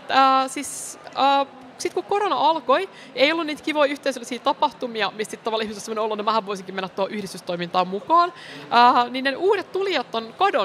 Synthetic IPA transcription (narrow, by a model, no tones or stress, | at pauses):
əːsiːsəː | sit̪kukoɾonɑɑlkoj | eijolːuniːt̪kiʋoiyht̪eisølːisiːt̪ɑpɑht̪umiɑmissit̪t̪ɑʋɑlːihmist̪ːosemoneolːut̪nmæhæʋʋoisiŋkimenːæt̪ːohoʔyhɾist̪yst̪oimint̪ɑːmmukɑːnəːninneʔuːɾet̪t̪ulijɑt̪ːonkɑdon